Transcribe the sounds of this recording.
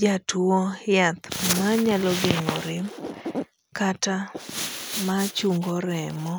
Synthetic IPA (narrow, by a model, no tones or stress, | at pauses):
d͡ʒatuɔjat̪maɲalɔɡeŋoɾɪm | kata | mat͡ʃuŋɡɔɾɛmɔ